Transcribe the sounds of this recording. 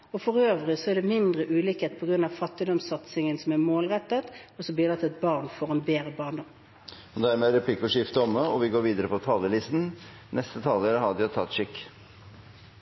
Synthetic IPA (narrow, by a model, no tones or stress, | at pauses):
ɔfɔʁøːʋʁɪsɔæɖ̪ɛmɪnd̪ʁəʔʉːlikheːt̪̚pʰɔɡʁʉnɑʋfɑt̪ːɪd̪ɔmsɑt̪sɪŋənsɔmæmoːlʁɛt̪ːət̪ɔsɔb̪ɪd̪ɑt̪ːɛt̪̚bɑʁnfɔʁɛnbeːʁəbɑːʁnd̪ɔm | ɔd̪æɾmeːɾɛpʰliːkɔʂɪft̪əɔməɔʋɪɡoːɾʋiːd̪əɾəpʰɔt̪ʰɑːləlɪst̪n̩ | nʔɛst̪ət̪ʰɑːləɾəhɑd̪æt̪ʰɑt̪ːʂɪkː